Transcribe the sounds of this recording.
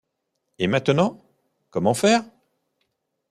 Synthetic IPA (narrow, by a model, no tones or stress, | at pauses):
emɛ̃t̪nɑ̃ | kɔmɑ̃fɛːʁ